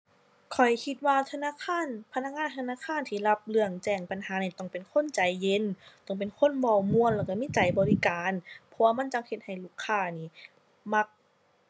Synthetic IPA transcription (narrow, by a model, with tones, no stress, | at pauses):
kʰɔ˨˩jkʰi˧t̪̚waː˧t̪ʰa˧naː˧˥˨kʰaː˧˥˨npʰa˧na˧˥k̚ŋaː˧˥˨nt̪ʰa˧naː˧˥˨kʰaː˧˥˨nt̪ʰiː˧˩la˧p̚lɯ˧˩əŋt͡ɕɛː˧˩ŋpa˨nhaː˨˦niː˧˩t̪ɔ˧˩ŋpe˨nkʰo˧˥˨nt͡ɕa˨˦jːe˧˥nt̪ɔ˧˩ŋp̬e˨nkʰo˧˥˨nbɔː˧˩wmu˧˨ənlɛː˧˩ka˧˩miː˧˥˨t͡ɕa˨˦jbɔː˨˦li˦˧kaː˨npʰɔ˧waː˧ma˧˥˨nt͡ɕa˧ŋhe˧t̪̚ha˨˩jluː˧˩kʰːaː˧˩niː˧˩ | ma˧k̚